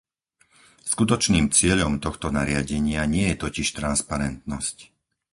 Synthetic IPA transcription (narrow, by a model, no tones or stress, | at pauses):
skut̪ɔt͡ʃniːmt͡sɪɛʎɔmt̪ɔxt̪ɔnaɾɪaɟɛɲɪaɲɪɛjɛt̪ɔciʃt̪ɾanspaɾɛnt̪nɔsc